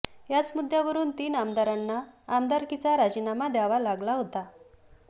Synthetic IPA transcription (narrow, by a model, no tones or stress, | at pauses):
jat͡smud̪ʱjaʋəɾuːnt̪iːnamd̪aɾanːaːmd̪aɾkit͡saɾad͡ʑiːnamad̪jaʋalaɡlaɦot̪a